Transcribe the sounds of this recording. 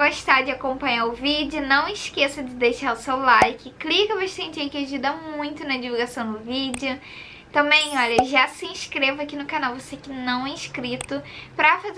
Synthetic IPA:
ɡoʃt̪ad͡ʒɪakõmpɐ̃ɲaɾʊvid͡ʒɪʊnɐ̃w̃ɪʃkesɐd͡ʒɪd̪ejʃaɾʊsewlajkɪklikɐvoʃt̪ɐ̃t͡ʃɪẽkeʒid̪ɐmũj̃t̪ʊnɐd͡ʒivuɡasɐ̃w̃d̪ʊvid͡ʒɪʊ | t̪ɐ̃bẽj̃ɔʎɐʒasɪĩʃkɾevɐakinʊkanawvosekɪnɐ̃w̃ɛĩʃkɾit̪ʊpɾɐfaz

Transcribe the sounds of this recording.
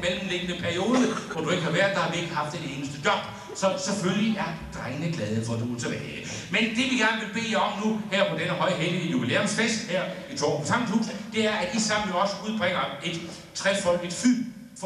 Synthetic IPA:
meləmle̝ɡ̥ənəpʰæɐio̝ːðˠəʋɒd̥ue̝ɡ̥əhɑ̈ʋæɐ̰d̥ˠd̥ɑ̈hɑ̈ʋie̝ɡ̥əɦɑ̈fd̥ene̝ːnəsd̥əd̥jɒ̽b̥ | sɒ̽seføljiæɐd̥ʁaɪnəɡ̥lɛːð̞ˠəfɒ̽d̥uot͡sʰe̝b̥ɛːɪːə | mend̥e̝ʋiɡ̥æɐ̰nəʋe̝lb̥e̝̰ːɒ̽mnuhæɐ̰pʰɒ̽d̥enəɦɒ̽ɪ̰ɦelənubilḛːɔmsfesd̥heɐ̰it͡sʰɒ̰ːɒsʰɑ̈m̰nhṵːs̩d̥e̝æɐædisɑnjoɒ̽səuð̞ˠb̥ʁɛŋ̰ɐe̝d̥ | t͡sʰʁɛsfɒ̽l̰ɡ̥e̝d̥fy | f

